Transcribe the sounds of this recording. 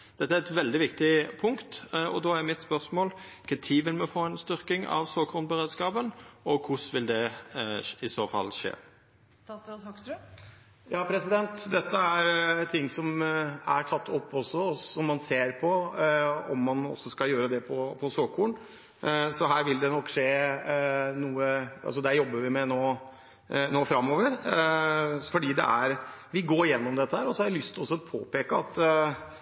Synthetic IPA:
d̪̥ɛt̪ːəæɾɛt̪ʋɛld̪ɪʋɪkt̪ɪpʰʊŋkt̪ɔ̰d̪oːæɾmɪt̪spœʁsmoːlkʰɛt̪ʰiːʋɪlmɛfoːɛnst̪ʏɾkɪŋɑ̰ʋsoːkhʊnbəɾeːd̪skɑːpənɔkʰʊsʋɪld̪ɛ | ɪsoːfɑ̰lʂḛː | st̪ɑsɑhɔksɾʉ | jɑːpʰɾɛsɪd̪ɛnt̪d̪ɛt̪ʰːəæɾt̪ʰɪŋːsɔmæ̰ɾʈʰɑt̪ːɔpːɔsɔsɔmːɑnseːɾpʰɔ | ɔ̰mːɑnɔ̰sːɔskɑjøːɾəd̪ɛpʰɔpʰɔsoːkʰːuːɳ | sɔɦæːɾʋɪld̪ɛnɔkːʂeː | nuːəɑ̰sɔd̪æɾjɔbːəɾʋɪmɛnoː | noːfɾɑmːoːʋəɾ | fɔɖiːd̪ɛ̰ʔæɾʋɪɡoːɾɪjɛnːɔmd̪ɛt̪ːəhæːɾɔsɔhɑɾʋɪlʏst̪ʰɪlɔsːɔɔpʰo̰ːpeːkəɑt̪

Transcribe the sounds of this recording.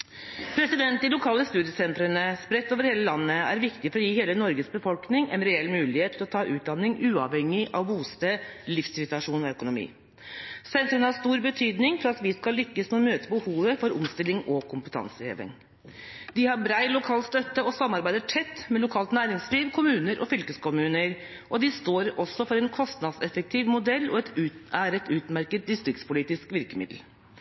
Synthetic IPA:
pʰɾɛsɪd̪ɛnt̪d̪ɪlʊkʰɑːləst̪ʉːd̪ɪjəsɛnt̪ɾənəspɾɛt̪ːoːʋəɾheːləlɑnːəæ̰ɾʋɪkt̪ɪfɔɾɔjiːheːlənɔɾɡəsbəfɔlknɪŋɛ̰nɾɛɛlːmʉːlɪheːt̪ʰːɪlɔt̪ʰɑːʔʉːt̪̚d̪ɑnːɪŋʉːɑʋhɛŋːɪʔɑ̰ʋbuːst̪əlɪfsɪʋɪt̪ɑʂuːnɔœkʊnʊmḭː | sɛnt̪ɾənəhɑst̪uːɾbət̪ʰyːd̪nɪŋfɔɾɑt̪ʋɪskɑlːʏkːəsmɛɔmøːt̪əbəhuːʋəfɔɾʊ̰mst̪ɪlːɪŋɔkʰʊmpət̪ʰɑ̰nsəhḛːʋɪ̰ŋ | d̪ɪhɑɾbɾæɪlʊkʰɑːlst̪œt̪ːəɔsɑmːɑɾbæɪd̪əʈʰɛt̪ːmɛlʊkʰɑːlt̪næːɾɪŋsliːʋkʰʊmʉːnəɾʔɔ̰fʏlkəskʰʊmʉːnəɾ | ʔɔd̪ɪst̪oːɾɔsːɔfɔɾɛnkʰɔst̪nɑd̪sɛfək̚t̪ʰiːʋmʊd̪ɛlːɔɛt̪ʉæɾɛt̪ʰʉːt̪mæɾkət̪̚d̪ɪst̪ɾɪkt̪spʰʊliːt̪ɪskʋɪɾkəmɪ̰d̪l̩

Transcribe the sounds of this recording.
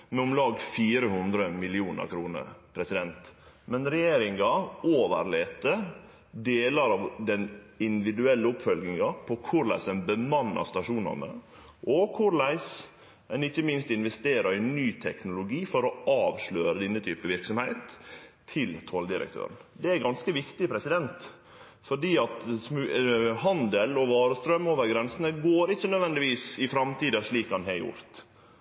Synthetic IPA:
mɛʊmlɑːɡfiːɾəhʉnd̪ɾəmɪlɪuːnə̰ɾkʰɾuːnə̰ɾpʰɾɛsɪd̪ɛnt̪ | mɛnɾɛjeːɾɪŋɑoːʋə̰ɾleːt̪ə | d̪eːlɑɾɑʋd̪ɛnɪnd̪ɪʋɪd̪ʉɛlːəʊpfœlɡnɪŋɑpʰɔkʰʊɾlæ̰ɪsɛnbəmɑnːɑ̰st̪ɑʂuːnɑ̰nə̰ | ʔɔkʰʊɾlæɪs | ɛnɪçːəmɪnst̪ɪnʋɛst̪eːɾɑɾɪnyːt̪ʰɛknʊlʊɡiːfɔɾɔɑːʋʂløːɾəd̪ɪnːət̪ʰy̰ːpəʋɪɾksɔmhæɪt̪ʰː | ɪlt̪ʰɔld̪ɪɾə̰k̚t̪ʰø̰ːɾənd̪ɛæɾɡɑnskəʋɪkt̪ɪpʰɾɛsɪd̪ɛnt̪ | fɔɖiːɑt̪smʉhɑnd̪əlɔʋɑːɾəst̪ɾœmːoːʋəɾɡɾɛnsənəɡoːɾɪçːənœd̪ʋɛnd̪ɪʋiːsɪfɾɑmt̪ʰiːd̪ɑʂɭiːkhɑnɦɛjʊ̰ɾt̪

